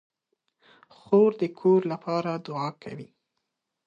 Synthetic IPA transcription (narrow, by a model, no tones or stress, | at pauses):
xoɾd̪əkʰoɾlapɑɾad̪ʊɑkʰa̰wi